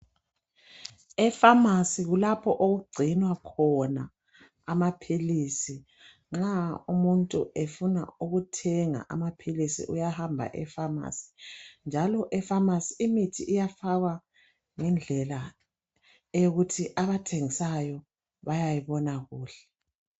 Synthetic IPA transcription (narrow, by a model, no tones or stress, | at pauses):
ɛfamasiɣulapʰɔʔoɣuɡ͡ǀʱinwakʰɔna | amapʰilisi | ŋ͡ǁaumuntʼṵʔefuna̰uɣutʰɛŋa̰ʔamapʰilisḭʔujahambʱa̰ʔɛfama̰si̥nd͡ʒʱalɔʔɛfamasiimitʰiʔijafaɣwa | ŋɛnd͡ɮʱɛla | joɣutʰiʔaβatʰeŋisajɔ | βajajiβɔnaɣuːɬɛ̥